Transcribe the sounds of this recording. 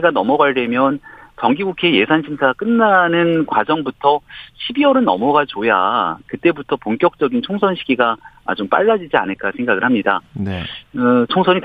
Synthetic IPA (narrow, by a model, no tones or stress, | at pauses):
ɡanʌmʌɡaɭde̞mjʌnt͡ɕʌŋɡiɡukʰeje̞sʰanɕʰimsʰaɡak͈ɯnːanɯnkwad͡ʑʌŋbutʰʌɕʰibiʌɾɯnʌ̰mʌɡat͡ɕoja̰kɯt͈e̞butʰʌpoŋk͈jʌk̚t͡ɕ͈ʌɡint͡ɕʰoŋsʰʌnɕʰiɡiɡa̰ːt͡ɕomp͈a̰ɭːad͡ʑid͡ʑia̰nɯɭk͈asʰeŋɡaɡɯɭhamɲida̰nɯt͡ɕʰoŋsʰʌɲit